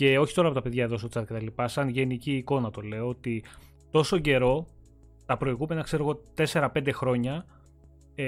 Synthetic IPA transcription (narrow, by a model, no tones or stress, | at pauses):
ce̞o̞çit̪o̞ɾɐpo̞t̪ɐpe̞ðʝɐðo̞sot͡sɐt̪ce̞t̪ɐlipɐsɐnʝe̞niciːko̞nɐt̪o̞le̞oot̪i | t̪o̞so̞ɟe̞ɾo̞ | t̪ɐpɾo̞iɣume̞nɐkse̞ɾo̞ɣo̞t̪e̞se̞ɾɐpe̞nd̪e̞xɾo̞ɲɐ